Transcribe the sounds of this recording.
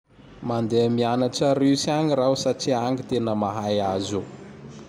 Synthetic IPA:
mand̪eamianaʈ͡ʂaɾewsiaŋiɾausaʈ͡ʂiaŋɡit̪enəmaɦajazu

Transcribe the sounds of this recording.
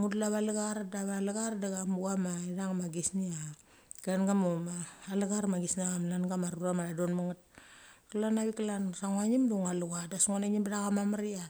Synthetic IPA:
ŋudlaβalaɡaɾadaβalaɡaɾadaɡamuamaidaŋmaɡisnia | klanɡamumaːlaɡaɾmaɡisnaamlanɡamaɾuɾamadadonmaŋat̚klanaβiklansaŋwaɲimduŋaluɡadasuŋonaɲimbadaɣamamaɾia

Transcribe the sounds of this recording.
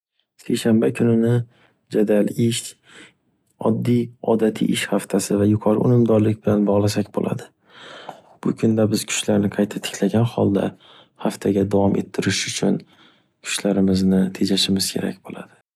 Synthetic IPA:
se̞jʃanbakʲʰʊnɪnɪ | d͡ʒad̪alɪʃ | ɒ̰d̪ːijɒd̪at̪ʰḭʔɪʃhaft̪ʰasɪvajʊqʰɒɾʔʊ̰nɪmd̪ɒɾlɪk̚ʲbɪlanbɒʁlˠasakʲbo̰lʔa̰d̪ɪ | b̥ʊkʰʊnd̪abɪz̥kʰʊ̥t͡ʃlaɾnɪqʰɑjt̪ʰat̪ʰɪ̥kʰʲlaɡʲanhɒ̰lˠd̪a̰ | haft̪ʰaɡʲad̪avɒmʔe̞̰t̪ʰːɪɾɪʃʊt͡ʃʰʊn | kʰʊ̥ʃlaɾɪmɪznɪt̪ʰe̞d͡ʒaʃɪmɪz̥kʲʰe̞̰ɾa̰k̚ʲbola̰d̪̥ɪ̥

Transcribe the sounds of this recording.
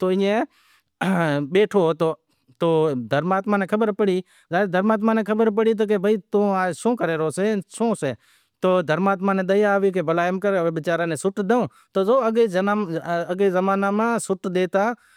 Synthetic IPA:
t̪oːɪẽː | ɓeːʈʰoːt̪oː | t̪oːd̪ʱəɾmaːt̪mãːnẽːkʰəbəɾpəɽiː | zaːɪɾd̪ʱəɾmaːt̪̬mãːnẽːkʰəbəɾpəɽiːt̪̬oːk̬ebʱəiːt̪õːaːd͡ʒsõːkəɾeːɾoːseːsõːseː | t̪oːd̪ʱəɾmaːt̪maːnẽːd̪əjaːʋiːk̬eːbəlaːjmkəɾeʋbɪt͡ʃaːɾãːnẽːsʊʈd̪eõː | t̪oːzoːəɡeːaəɡeːzəmaːnaːmãːsʊʈd̪eːt̪aː

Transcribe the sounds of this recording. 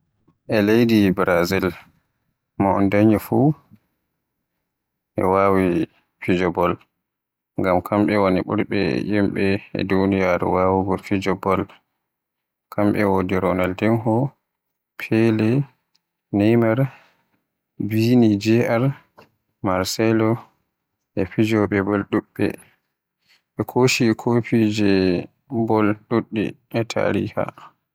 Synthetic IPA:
ʔɛlejdibɾazil | maɔ̰ndaɲɔfu | ʔɛ̰waːwi | fid͡ʒɔbɔl | ŋɡamkʰamɓɛwaniɓṵɾɓɛ̰jimɓɛ̰dunijaɾɛ̰waːwuɡɔfid͡ʒɔbɔl | kʰamɓɛwodiɾɔnaldɛnɦɔ | pʰɛlɛ | nɛjmaɾ | binid͡ʒɛʔaɾ | maɾsɛlɔ | ʔɛfid͡ʒɔɓɛbɔlɗuɓːɛ̰ | ɓɛkʰoʃikʰopid͡ʒɛ | bɔlɗuɗːḭ | ɛtʰa̰ɾḭha̰

